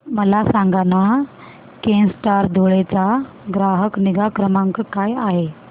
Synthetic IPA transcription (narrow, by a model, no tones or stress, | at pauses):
məlasãŋɡana | kensʈaɾd̪ʱoɭet͡sa | ɡɾaɦəkniɡakɾəmãŋkkajaɦe